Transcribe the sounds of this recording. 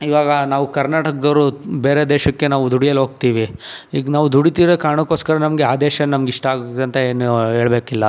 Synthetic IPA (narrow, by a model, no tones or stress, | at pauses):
iʋaːɡɐnaːʋukɐɾnaːʈɐkd̪ɐɾubeːɾed̪eːʃɐkːenaːʋud̪ʱuɽijɐlɦo̞ːɡ̚t̪iːʋi | iːɡnaːʋud̪uɽit̪iːɾekaːɳɐkːoːskɐɾɐnɐmɐɡeaːd̪ɛːʃɐnnɐmɐɡiʂʈɐaːɡot̪ɐnt̪ɐeːnuɦeːɭbeːkilːɐ